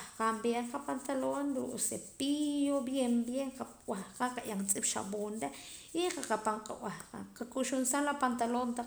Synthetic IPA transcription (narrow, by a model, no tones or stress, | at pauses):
hqambjeɴqapant̪alonɾuʔsepijobjembjeɴqa | wahqaqaʔjʔaŋt͡sʼipʃa̰boːnɾe | iɴqaqapaɴqʼa̰wahqaqakʼuʃunsanlapant̪alont̪a